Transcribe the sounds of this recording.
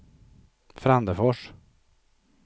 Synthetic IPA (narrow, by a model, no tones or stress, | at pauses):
fɾand̪əfɔʂ